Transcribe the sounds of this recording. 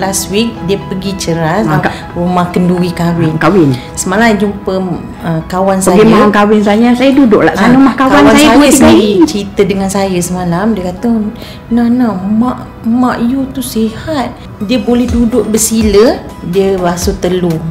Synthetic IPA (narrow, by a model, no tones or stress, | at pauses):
laswik̚diəpəɡit͡ʃəɾas | omãkənduɾikawɪnkawɪn | səmalad͡ʒumpə | əkawansəaɡimaankawɪnsajəsajədudʊʔlaʔanəmahkawawawnanasjaaəiɡit͡ʃɾit̪ədəŋansajəsəmalamdiəkat̪ə | nanamaʔ | mãʔjut̪usihat̪̚ | diəbolɛhdudʊʔ̚bəsilə | diəlasut̪əlu